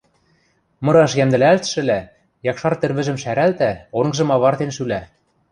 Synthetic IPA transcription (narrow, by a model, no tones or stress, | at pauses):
mɤ̆ɾɑʃjæmd̪ɘ̆lælt̪ʃɘ̆læ | jɑkʃɑrt̪ɘ̆rβɘ̆ʒɘ̆mʃæɾælt̪æoŋɤ̆ʒɤ̆mɑβɑrt̪enʃylæ